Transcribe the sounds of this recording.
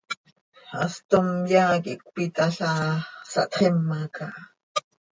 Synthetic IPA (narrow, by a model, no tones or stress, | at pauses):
ast̪omjaːkiʔk̚pit̪aɬasɑ̰ʔt̪χemːakaʔ